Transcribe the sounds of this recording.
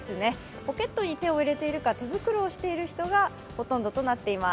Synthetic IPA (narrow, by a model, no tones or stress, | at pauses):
sɨne̞ | po̞ke̞t̪ːo̞ɲ̟it̪e̞o̞iɾe̞t̪e̞iɾɯ̟kat̪e̞bɯ̟kɯ̟ɾoːɕi̥t̪e̞iɾɯ̟çi̥t̪o̞ɡa | ho̞t̪õ̞nd̪o̞t̪o̞nat̪ːe̞ima